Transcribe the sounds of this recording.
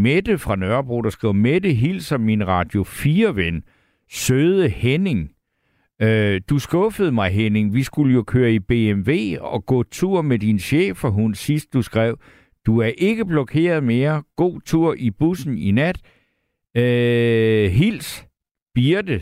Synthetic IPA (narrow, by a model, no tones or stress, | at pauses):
med̥əfʁɑ̈nɶɐb̥ʁo̰ːd̥ɑsɡ̥ʁiʊ̰med̥əɦil̰sɒ̽mːinʁɑ̈ːd̥jo̝fiːɐʋen | søðˠəhene̝ŋ | d̥usɡ̥ɔ̽fəð̞̩ˠmɑ̈ɪɦene̝ŋʋisɡ̥uləjo̝kʰøːɐib̥e̝ːemʋe̝̰ːɒ̽ɡ̥ɔ̰̽ːt͡sʰuɐ̰med̥inɕḛːfɒɦunsisd̥̚ːusɡ̥ʁɛʊ̰ | d̥uæɐʔe̝ɡ̥əb̥lɒ̽kʰe̝̰ːɐð̞̩ˠme̝ːɐɡ̥o̝̰ːt͡sʰuɐ̰ʔib̥usn̩inæd̥ | ɦil̰s | b̥iɐd̥ə